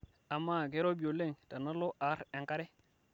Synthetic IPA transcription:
a˨mːa˦ɡe˦ɾo˦bi˨o˨le˦˨ŋta˨na˦lo˦ʔa˨˦ɾe˨ka˦ɾe˦

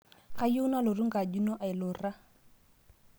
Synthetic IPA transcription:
ka˦jo˦na˦lʊ˨ru˦ŋ̩˦ka˨du˦nɔ˦ʔa˨ɪ˨lʊ˨ra˦

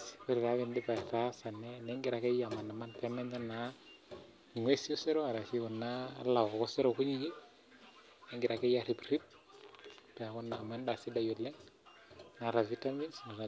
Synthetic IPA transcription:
swe˦ɾi˨ɾa˦βi˨ndi˦pa˨ɾa˦sa˨nːe˦ne˦ŋɡi˨ɾa˨ke˦ja˨ma˨nːa˨ma˦nte˦me˦nsa˦nːa˦˨ | ŋwe˦si˦o˦se˦ɾo˦a˨ɾa˨si˦ku˨nːa̰˦la˨ko˨ko˦se˦ɾo˨ku˦ɲi˦ɡi˦ | e˦ŋɡi˨ɾa˨ke˦ja˨ɾi˨bɾi˦t̚ | pe˨a˨ku˦nːa˨ma˦nda˨si˦da˦jo˨lːe˦ŋ | na˨ɾa˨vi˦ta˦mi˦nsna˨na˨

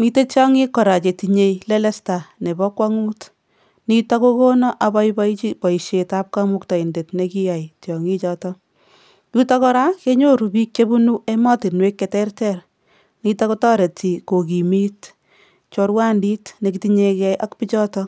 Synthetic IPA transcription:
mi˦te˦t͡ʃjɔ˦ŋi˦kːɔ˨ɾa˨t͡ʃe˨ti˨ɲe˦jle˦lɛ˦sta˨ne˨bɔkwa˦ŋuː˦t | nitako˦ko˦nɔ˦ʔa˨bɔ˦jbɔit͡ʃibɔ˨i˨ʃeta˦p̚kamu˦kta˨i˨nde˨tneki˦ja˨jtjɔ˨ŋi˦t͡ʃɔtɔ | juta˦kɔ˦ɾa˦ke˦ɲo˦ɾu˨bi˦k̚t͡ʃe˦bu˦nu˦emɔ˦ti˨nwekːetɛrtɛr | nitako˦tɔ˦ɾe˨ti˨ko˨ki˨miː˦t | t͡ʃo˧ɾwa˦ndi˦tne˨kitiɲe˧kɛ˦jʔa˦kpi˦t͡ʃɔ˦tɔ

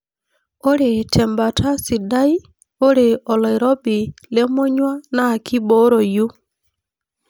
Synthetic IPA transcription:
o˦ɾe˨tʰɛ˨mba˨tʰa˦si˨da˦i˦ | o˦ɾe˨ɔ˨lɔ˨i˨ɾɔ˦bi˨le˦mo˦ɲwa˦na˦˨ki˦bo˦ɾo˨ju˦

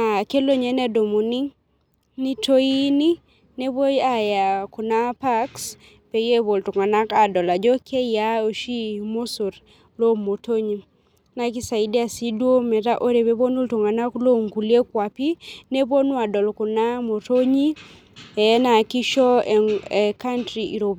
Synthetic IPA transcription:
na˨ke˦lo˦ɲɛ˨˦nɛ˦do˨mu˨ni˦ | ni˦tʰo˦i˦ni˦ | ne˦bo˦ja˦ja˨ku˨na˦pa˦ks | pe˨je˦bo˨ltu˨ŋa˨na˦ka˨dɔ˨la˨d͡ʒɔ˦kʰe˦ja˦o˨ʃi˦mo˦so˨ɾ | lo˦mo˨tʰo˦ɲi˨ | na˦˨ki˦sa˨i˦de˦a˦˨si˦dwo˦mɛ˨ta˦ʔo˦ɾe˨be˦bo˦nu˦ltu˨ŋa˨na˦klo˦ŋku˨lie˦kwa˨pi˦ne˦bo˦nwa˨dɔ˨lku˨na˦mo˨to˦ɲi˦ | ɛ˦na˨ki˦ʃɔ˦ɛka˦ntɾiʔi˨ɾo˨b

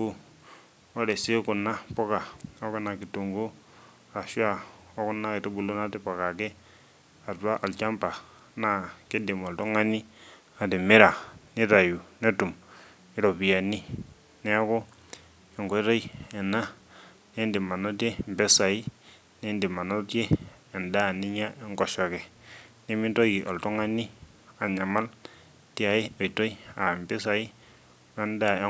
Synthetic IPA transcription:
u˦ | ɔ˦ɾe˨si˦ku˨na˦pɔ˦ka˨a˦kɔ˦na˨ki˨tu˨ŋɡu˦ | a˨ʃa˦˨o˦ku˦na˦ke˨to˦bu˨lo˦na˦te˦pa˨ka˨ke˦ | a˨twa˦ʔa˨lt͡ʃa˦mpa˨ | na˨ke˦di˨ma˨ltɔ˦ŋa˦ni˦ | a˨de˨me˦ɾa˨ni˦ɾa˨ju˨ne˦tu˨m | i˦ɾɔ˨pi˨ja˨ni˦ | ne˦a˦ko˦ | e˨ŋɡo˦to˦i˦ɛ˨na˦ | ne˦ndi˨ma˨no˦te˦m˨bɛ˦sa˨i˦ | ne˦ndi˨ma˨no˦teː˦˨ | nda˦˨ni˦ɲa˦e˦ŋkɔ˨ʃo˨kɛ˨ni˦mi˦nto˦ɡi˨ʔo˨lto˦ŋa˦ni˦ | a˨ɲa˨ma˦l | ti˦a˨i˦o˨i˨to˦i˦a˨mbe˦sa˨i˦ | na˦nda˦˨e˦

